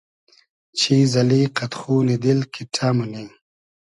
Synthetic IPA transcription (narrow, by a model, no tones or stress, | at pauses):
t͡ɕʰizɐliqat̪xuːnid̪ilkʰiʈʰamuni